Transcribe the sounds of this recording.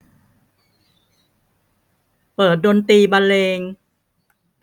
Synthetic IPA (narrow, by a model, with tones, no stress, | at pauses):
pɤː˨˩t̪̚doː˧nt̪iː˧ba˧nleː˧ŋ